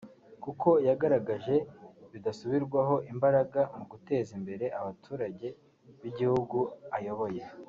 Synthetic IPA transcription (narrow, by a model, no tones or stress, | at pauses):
kuko̞jaɡaɾaɡaʒe̞βidasuβiɾɡwaɦo̞ʔimbaɾaɡamuɡute̞ːzimbe̞ɾe̞ʔaβatʰuːɾaɟe̞ | βiɟihuɡuajo̞βo̞je̞